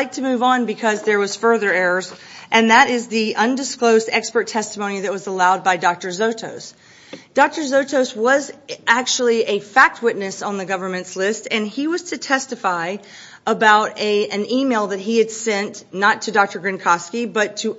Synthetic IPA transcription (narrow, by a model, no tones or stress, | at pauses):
ɪk̚tʰɨmʉvn̩bɨkʰʌzðə˞wʌz̥fɜ˞ðə˞ɛɹə˞zʔɨ̃nðɨɾɪzðiʔʌ̃ndɨskloʊzdɛkspə˞tʰɛstəmõʊ̃niðɨt̚wʌzəlaʊd̚baɪdɑk̚tə˞zoʊtʰoʊs | d̥ɑk̚tə˞zoʊtʰoʊswʌzʔæk̚t͡ʃul̩ˠiʔɨfæk̚t̚wɪtⁿnɨsn̩ðɨɡʌvə˞mɨ̃ntslɪstɨ̃niwʌz̥tʰɨtʰɛstɨfaɪ | ʔəbaʊɾɨɨ̃nimeɪlˠðɨt̚ɦiɨd̥sɛ̃nnətʰɨdɑk̚tə˞ɡɹɨ̃nkʰɑskibʌtʰɨ